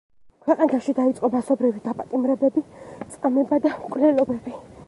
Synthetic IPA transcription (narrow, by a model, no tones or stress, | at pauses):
kʰwɛqʼanaʃid̪ait̪sʼqʼɔmasɔbɾivid̪apʼat̪ʼimɾɛbɛbit̪sʼqʼamɛbad̪akʼvlɛlɔbɛbi